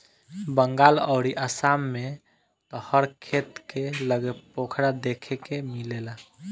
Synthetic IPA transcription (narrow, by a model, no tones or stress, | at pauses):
bəŋɡaləʊɾiʔəsamːe | t̪ɔhəɾkʰet̪keləɡepokʰɽad̪ekʰekemilela